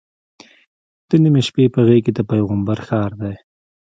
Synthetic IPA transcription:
d̪̥ənimeʃpepəɣeked̪əpajɣəmbaɾxɑːɾd̪aj

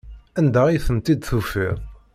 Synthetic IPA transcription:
ænd̪æijθəmt̪id̪θufḭɾ

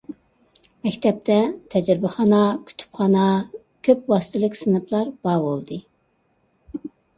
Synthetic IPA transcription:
mɛkʲt̪ʰɛp̚t̪ʰɛt̪ʰɛd͡ʒɾɪbɪχɑnɑkʲʰy̥t̪ʰy̥pχɑnɑ | kʲʰøpwɑsɨ̥t̪ʰɪlˠɪkʲsɨnɨplˠɑɾbɑːbolˠd̪ɨ

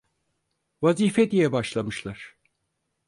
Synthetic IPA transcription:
vaziːfɛd̪ijɛbaʃlˠamɯʃlˠaɾ̥

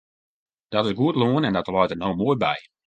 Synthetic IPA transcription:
d̥ɔtɪsɡuətloənɛndɔtəlɔjtənowmuəjbɛ̰j

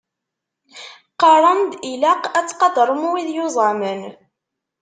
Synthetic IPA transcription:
qɑɾˤɑnd̪ilæqæt͡sːqɑd̪ɾˤəmuwiðjʊzˤɑmən

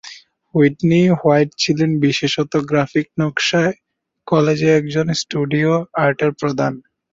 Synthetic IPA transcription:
wiʈnihajʈ̚t͡ɕʰilenbiʃeʃɔt̪oɡɾafik̚nɔkʃae | kɔled͡ʑeɛk̚d͡ʑonsʈuɖioaɾʈeɾpɾod̪ʱan

